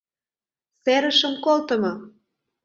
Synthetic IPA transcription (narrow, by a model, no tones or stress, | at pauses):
seɾə̆ʃəmkolt̪ə̆mɤ